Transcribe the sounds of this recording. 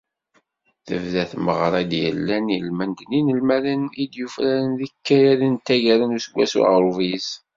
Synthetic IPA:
θə̰vðæθməʁɾˤɑd̪jə̰lːænjəlmænd̪ninəlmælənid̪jufɾæɾənðikːæjæɾənt̪ːæʝæɾənusəɡʷːæ̰sṵʁɾˤuvis

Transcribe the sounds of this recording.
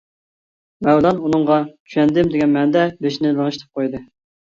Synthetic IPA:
mɛwlɑnunɨŋʁɑt͡ʃʰy̥ʃɛnd̪ɪmd̪ɪɡʲɛnmɛnd̪ɛbeʃinɪlɨŋɨʃt̪ʰɨ̥p̚qʰojd̪ɨ

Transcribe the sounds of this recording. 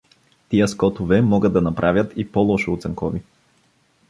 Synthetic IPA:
t̪ijəskɔt̪ʊvɛmɔɡəd̪ːɐnɐpɾʔavʲjət̪ipɔlˠɔʃʊːt̪sɛŋkɔvi

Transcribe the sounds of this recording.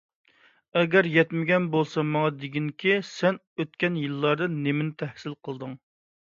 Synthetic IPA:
ɛɡʲɛɾjɛt̪mɪɡʲɛnbolˠsɑmɑŋɑd̪ɪɡʲiŋkʲʰisɛn | øt̪̚kʲɛnjɨlːɑɾd̪ɨnːemɪnɪt̪ʰɛhsɪlqʰəlˠd̪ɨŋ

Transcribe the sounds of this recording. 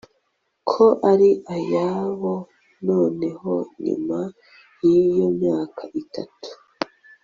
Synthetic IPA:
kʰoʔaɾiʔajaβo | no̞ːne̞ɦoɲḭma | jijo̞mɲaːkʰaʔitʰatu̥

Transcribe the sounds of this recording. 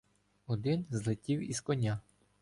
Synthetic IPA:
ɔd̪ɪnzlˠɪtʲiwizkɔnʲa

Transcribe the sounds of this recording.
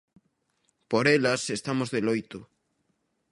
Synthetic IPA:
poɾelɐsest̪amozðelojt̪o

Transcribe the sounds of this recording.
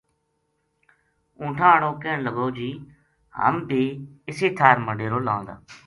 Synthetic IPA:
ũːʈʰãːəɽõːkeːnləɡoːd͡ʒiː | hə̰mbʱiːɪseːt̪ʰaːɾməɳɖeːɾoːlã̰ːnd̪a̰ː

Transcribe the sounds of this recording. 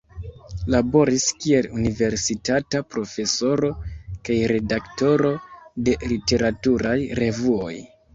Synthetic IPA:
labo̞ɾiskie̞lunive̞ɾsitatapɾo̞fe̞so̞ɾo̞kajɾe̞dakto̞ɾo̞de̞lite̞ɾatuɾajɾe̞vuo̞̰j

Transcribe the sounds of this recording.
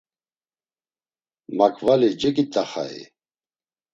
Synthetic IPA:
makʰvalid͡ʒɛkʼit̪ʼaχa̰ḭ

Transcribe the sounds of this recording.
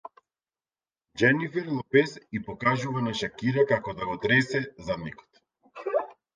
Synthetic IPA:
d͡ʒɛnifɛɾlˠɔpɛsipɔkaʒuvanaʃakiɾakakɔd̪aɡɔt̪ɾɛsɛzad̪nikɔ̥t̪

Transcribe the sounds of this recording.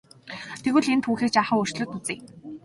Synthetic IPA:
t̪ʰeɣɘ̆ɮent̪ʰxuːxiːk̚t͡ɕaːχə̆ŋɵr̥t͡ɕɮɵ̆t̪ut͡siː

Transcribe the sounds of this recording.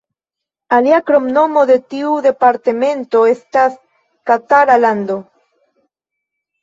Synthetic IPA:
aljakɾomnomoðet̪iuðepaɾt̪emẽnt̪oest̪as | kat̪aɾaland̪o

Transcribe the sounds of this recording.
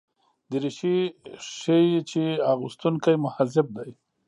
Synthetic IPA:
d̪əɾiʃiʃəjt͡ʃeaɣʊst̪uŋkajmʊhazɪb̚d̪aj

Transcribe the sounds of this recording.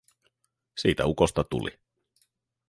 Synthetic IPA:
siːt̪æukost̪ɑt̪ṵlḭ

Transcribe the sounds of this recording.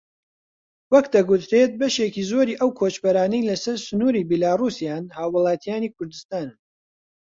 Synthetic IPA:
wɐkd̪ɐɡut̪ɾe̞t̪̚bɐʃeːkiːzo̞ːɾiːʔɐwkʰoːt͡ʃbɐɾaːnɐjlɐsɐɾsʊnuːɾiːbilaːrusijaːnhaːwːɨlˠaːt̪ʰijaːnikʰʊɾd̪ɨst̪aːnɨm

